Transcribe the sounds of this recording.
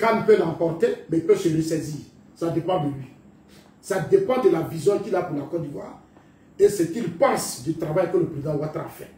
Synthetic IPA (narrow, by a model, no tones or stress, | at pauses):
kãnpølãpɔʁt̪emɛipøsələsɛziːʁ | sad̪epãd̪əlɥi | sad̪epãd̪əlavizjɔ̃kilapuʁlakɔd̪ivwa̰ːʁ | esɛkilpãsd̪yt̪ɾavajkələpɾid̪ãwat̪ã̰fɛ̰